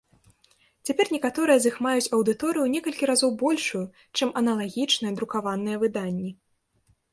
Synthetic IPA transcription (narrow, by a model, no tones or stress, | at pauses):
t͡sʲapʲɛrnʲɛkat̪ɔɾɨjɐzixmajut͡sʲɐwd̪ɨt̪ɔɾɨjunʲɛkɐlʲkʲiɾazɔwbɔlʲʂuju | t͡ʂɨmʔɐnɐlˠaɣʲit͡ʂnɨjɐd̪ɾukavanɨjɐvɨd̪anʲːi